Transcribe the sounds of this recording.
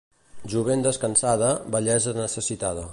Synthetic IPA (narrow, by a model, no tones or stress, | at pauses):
ʒuβ̞end̪əskənsaðəbəʎɛzənəsəsit̪að̞ə